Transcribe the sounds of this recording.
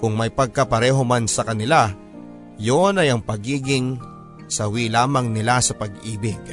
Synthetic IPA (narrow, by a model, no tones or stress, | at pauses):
kʊŋmajpɐɡ̚kɐpɐɾɛːɦo̞mansɐkɐnɪla | jonɐjɐŋpɐɡiːɡɪŋ | sɐwilaːmɐŋnɪlasɐpɐɡʔiːbɪɡ̚